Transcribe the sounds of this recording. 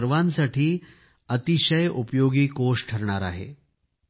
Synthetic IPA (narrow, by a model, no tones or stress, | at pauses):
ɾʋansaʈʰiː | ət̪iɕəjupjoɡiːkoʂʈʰəɾɳaɾa̰ɦḛ